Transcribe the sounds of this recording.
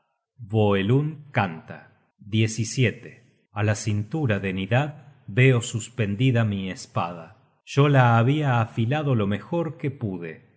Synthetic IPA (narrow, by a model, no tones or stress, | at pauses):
βoeluŋkant̪a | d̪je̞sisjet̪e | alasint̪uɾaðeniðaðβeo̞suspe̞nd̪iðamiespa̰ða | ʒ̥o̞laːβiaːfilaðo̞lo̞me̞xo̞ɾkepuðe